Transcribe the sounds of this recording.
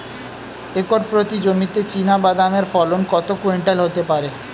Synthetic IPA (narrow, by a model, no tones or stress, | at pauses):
ekoʈpɾot̪id͡ʑomit̪et͡ɕinabad̪ameɾfɔlonkɔt̪okueɳʈelɦot̪epaɾe